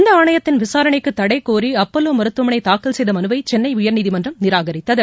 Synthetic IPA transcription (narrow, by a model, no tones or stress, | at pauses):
nd̪ɐaːɳɐjɐt̪ːɪnʋɪsaːɾɐɳɐɪkːɯt̪ːɐɽɐɪkːoːɾiɐpːɐlːoːmɐɾɯt̪ːɯmɐnɐɪt̪aːkɐlsɛjðɐmɐnɯbɐɪt͡ʃɛnːɐɪʊjɐɾniːðimɐndrɐnɪɾaːɣɐɾɪt̪ːɐðɯ